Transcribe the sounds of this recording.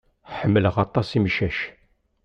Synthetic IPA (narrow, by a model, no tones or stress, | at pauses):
ħəmːələʁɑt̪ˤːɑsiməʃæʃ